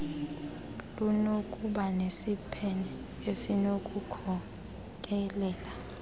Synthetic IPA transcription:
lunokʼuɓanesipʰɛnɛ | esinokʼukʰɔ | k̬ʼɛlɛːla

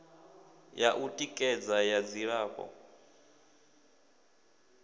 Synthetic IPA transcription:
jaʔutʼikʼɛd͡zajad͡ziɺaːkʼɔ̰

